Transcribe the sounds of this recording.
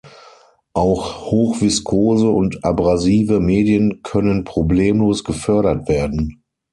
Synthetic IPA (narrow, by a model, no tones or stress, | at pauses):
ʔaʊxhoːxv̥ɪskʰoːzəʊntʔabʁaziːvəmeːdjənkʰœnənpʁ̥obleːmloːsɡ̥əfœɐɾɐtv̥eːɐdn̩